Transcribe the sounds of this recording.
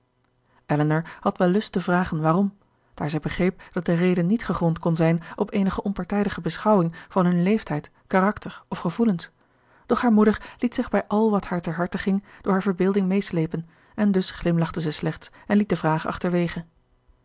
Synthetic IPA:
ʔɛlənəɹhɑtʋɛlˠːɵstəvraːχənʋaːrɔm | d̥aːɹzɛjbəχrejp̚d̥ɑt̚dərejdənːitχəχɔntkɔnzɛjnʔɔpejnəχəʔɔmpɑɹtɛjdəχəbəsχɑwɪŋv̥ɑnɦɵnlejftɛjt | kaːrɑktəɹɔfχəvuləns | d̥ɔχɦaːɹmudəɹlitsɪχbɛjʔɑlˠʋɑthaːɹtɛɹɦɑɹtəχɪŋd̥ʊːɹɦaɹvəɹbɪːlˠdɪŋmejslejpən | ɛndɵsχlɪmlɑχtəzɛjslɛχts | ɛnlit̚dəvraːχʔɑ̰χtəɹʋejχən

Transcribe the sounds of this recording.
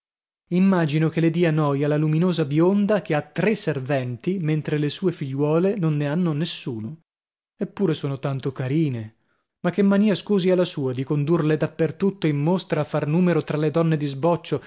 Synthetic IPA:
imːaːd͡ʒinokeled̪iːanɔːjalaluminoːzabjond̪akeat̪ːɾeservɛnt̪iment̪ɾelesuːefiʎːwɔːlenonːeanːonesːuːno | epːuːɾesoːnot̪ant̪okaɾiːne | makːemːaniːaskuːzialːasuːad̪ikond̪urled̪apːert̪ut̪ːoimːost̪ɾaːfːarnuːmeɾot̪ɾaled̪ɔnːed̪izbɔt͡ʃːo

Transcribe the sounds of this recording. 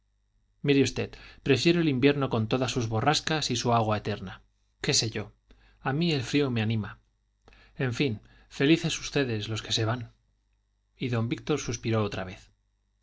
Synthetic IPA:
miɾeust̪e̞t̪pɾe̞fje̞ɾoelimbje̞ɾno̞ko̞nt̪o̞ðasuzβo̞raskasisuaɣ̞waet̪e̞ɾna | ke̞se̞ʝo̞ | amie̞lfɾio̞me̞anĩma | e̞ɱfin | fe̞liθe̞su̥st̪e̞ðe̞slo̞ske̞se̞β̞an | iðo̞mbik̚t̪o̞ɾsuspiɾo̞ot̪ɾa̰β̞e̞θ

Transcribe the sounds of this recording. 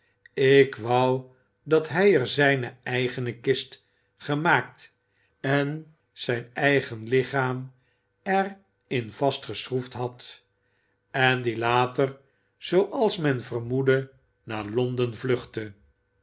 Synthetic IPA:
ɪkʋɑw | dɑtɦɛjəɹzɛjnəɛjχənəkɪst | χəmaːk̚t | ɛn | z̥ɛjnɛjχənlɪχaːm | ɛr | ɪnv̥ɑstχəsʁuftɦɑt | ɛnd̪ilaːtər | z̥owʔɑlˠsmɛnvərmudə | naːɹlɔndənvlɵχtə

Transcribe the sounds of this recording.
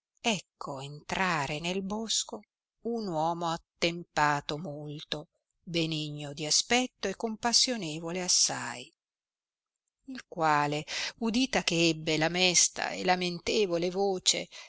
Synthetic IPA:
ɛkʰːoent̪ɾaːɾenelbosko | unwɔːmoat̪ːempaːt̪omolt̪o | beniɲːod̪iaspɛt̪ːoekːompasːjoneːvoleasːa̰j | ilkwaːleud̪iːt̪akeɛbːelamɛst̪a̰ḛlament̪eːvolevoːt͡ʃḛ

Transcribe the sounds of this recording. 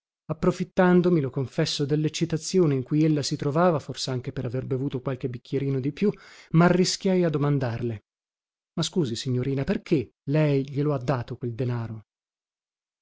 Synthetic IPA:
apːɾofit̪ːand̪omilokoɱfɛsːod̪elːet͡ʃːit̪at̪sːjoːneiŋkujelːasit̪ɾovaːvaforseaŋk̟epeɾaverbevuːt̪okwalk̟ebik̟ːjeɾiːnod̪ipjumaːrːiskʲjajad̪ːomand̪arle | maskuːzisiɲːoɾiːnaperk̟e | lɛjʎiload̪ːaːt̪okweld̪enaːɾo

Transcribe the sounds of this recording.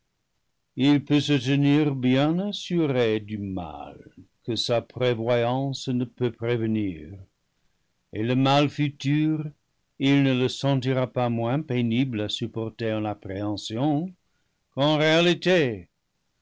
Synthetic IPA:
ilpøsətəniʁbjɛ̃nasyʁedyma̰lkəsapʁevwajɑ̃snəpøpʁevənḭːʁ | eləmalfytyʁ | ilnələsɑ̃t̬iʁapamwɛ̃peniblasypɔʁteɑ̃napʁeɑ̃sjɔ̃ | kɑ̃ʁealite

